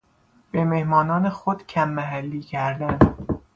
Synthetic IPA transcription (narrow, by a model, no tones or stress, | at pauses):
b̥e̞me̞hmɒːnɒːnexod̪̥cʰæmːæɦælːiːcʰæɾd̪æn